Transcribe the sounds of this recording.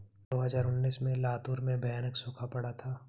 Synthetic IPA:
d̪oːɦɐzaːɾʊnːiːsmẽlaːt̪uːɾmẽbʱɐjaːnəksʊ̃ːkʰapɐɽat̪ʰaː

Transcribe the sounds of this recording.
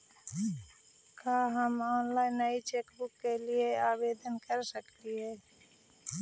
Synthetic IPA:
kaːɦəmɔːnlaːɪnːəit͡ʃeːkbʊkːelieaːbeːd̪ənkəɾsəkt̪iɦɛ̃ː

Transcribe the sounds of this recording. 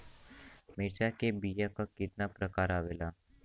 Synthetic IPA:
meːʃakebijakakɪt̪̚napɾɐkaːɾaːʋeːlaː

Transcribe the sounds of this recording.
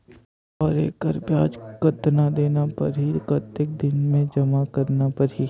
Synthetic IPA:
ɔːɾḛːkəɾbjaːd͡ʒkət̪nad̪eːnapɐ̰ɾɦikət̪ɪk̚d̪ɪnmẽd͡ʒɐmakɐɾnapɐɾɦi

